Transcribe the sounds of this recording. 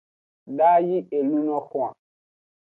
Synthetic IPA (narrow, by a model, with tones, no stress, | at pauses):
daː˦ji˦e˨lu˦nɔ̃˦xũ˦˨ã̰˨